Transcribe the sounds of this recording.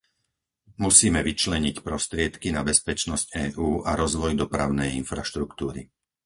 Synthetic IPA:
musiːmɛʋit͡ʃlɛɲicpɾɔst̪ɾɪɛt̪kinabɛspɛt͡ʃnɔscɛːʔuːʔaɾɔzʋɔjd̪ɔpɾa̰ʊnɛjinfɾa̰ʃt̪ɾukt̪uːɾḭ

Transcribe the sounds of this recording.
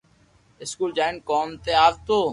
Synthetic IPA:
ɪskuːld͡ʒaːɪnkoːmt̪eːaːʋt̪oː

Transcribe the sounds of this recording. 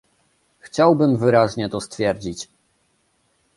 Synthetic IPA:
xt͡ɕawbɘmvɘɾaʑɲɛt̪ɔst̪fʲjɛɾd͡ʑit͡ɕ

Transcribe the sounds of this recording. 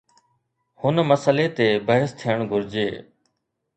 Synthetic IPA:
hʊnməsəleːt̪eːbəɦəst̪ʰijəɳ̃ɡʱʊɾd͡ʑeː

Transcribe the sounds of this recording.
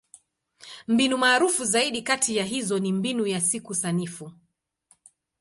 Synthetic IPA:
m̩binumaːɾufuzaiɗikatʰijaɦizɔnimbinujasikusanifu

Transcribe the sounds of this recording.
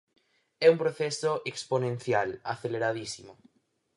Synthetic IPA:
ɛumpɾoθɛsoʔeksponẽnθjalaθeleɾaðisimo

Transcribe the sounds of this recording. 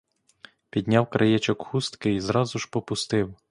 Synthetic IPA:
pʲid̪ʲnʲɑwkɾʔɐjɛt͡ʃɔkxust̪kɪizɾɑzʊʒ̥pɔpʊst̪ɪw

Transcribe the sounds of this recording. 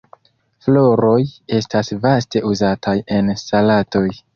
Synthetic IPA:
flo̞ɾo̞je̞stasvaste̞ʔuzatʰaje̞nsalato̞j

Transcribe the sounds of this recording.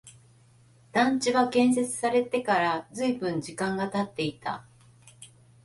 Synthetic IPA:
d̪̥ãɲ̟t͡ɕiβakẽ̞ɰ̃s̬e̞t͡sɨ̥saɾe̞t̪e̞kaɾazɨibɯ̟̃ɲ̟d͡ʑikãŋɡat̪at̪ːe̞it̪a̰

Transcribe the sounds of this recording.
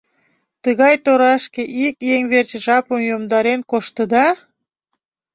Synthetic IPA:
t̪əɣɑjt̪oɾɑʃkeʔikjeŋβert͡ɕʒɑpəmjomd̪ɑɾenkoʃt̪əd̪ɑ

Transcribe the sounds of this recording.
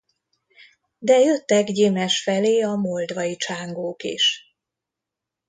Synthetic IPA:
d̪ɛjøt̪ːɛɡɟeːmɛʃfɛleːɒmold̪ʋɒjit͡ʃaːŋɡoːkḭʃ

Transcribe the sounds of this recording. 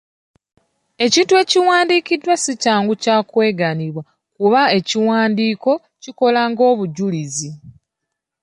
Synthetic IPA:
e̞citwe̞ːciwaːndiːkidːwasicaːŋɡucaːkwe̞ːɡaniβwa | kuβae̞ciwaːndiːko̞ | ciko̞laŋɡo̞ːβuɟulizi

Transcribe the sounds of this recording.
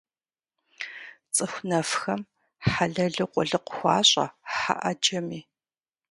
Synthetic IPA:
t͡sʼɨxʷnɐfxɐm | ħaɮɐɮɨqʷʼɔɮɨqʷʊ̥xʷɑːɕʼɐ̰ħa̰ʔɐd͡ʒɐmiː

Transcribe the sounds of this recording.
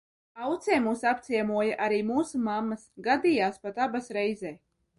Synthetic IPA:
awt̪sɛːmuːsapt̪sʲiɛmuɔjaʔaɾiːmuːsumamːɐsɡad̪iːjaːspat̪abasɾɛjzɛː

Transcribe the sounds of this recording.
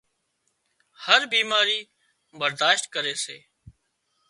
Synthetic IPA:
həɾbiːmaːɾiː | bəɾd̪aːʃt̪kəɾeːseː

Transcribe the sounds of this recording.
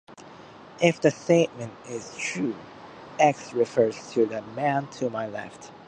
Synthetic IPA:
ʔɪfðɨsteɪt̚mɨ̃ntɪz̥tʰɹ̥ʉ | ɛksɹɪfɜ˞z̥tʰɨðɨmæ̃ntʰɨmaɪlɛ̰ft

